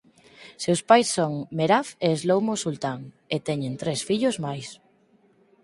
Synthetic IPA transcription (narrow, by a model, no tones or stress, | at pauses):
sewspajsːoŋmeɾafeːzlowmosult̪aŋ | et̪ɛɲẽnt̪ɾesfiʎozmajs